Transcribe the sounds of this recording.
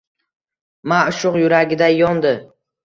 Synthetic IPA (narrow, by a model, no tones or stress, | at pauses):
maʃʊqjʊɾaɡʲɪd̪ajɒnd̪ɪ